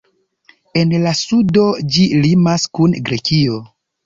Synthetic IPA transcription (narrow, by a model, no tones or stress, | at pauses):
e̞nlasudo̞d͡ʒilimaskunɡɾe̞kio̞